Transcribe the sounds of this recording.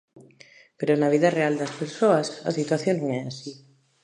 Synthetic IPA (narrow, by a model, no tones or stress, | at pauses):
peɾonaβ̞iðareald̪aspeɾsoasa̰sit̪waθjoŋnõŋɛasi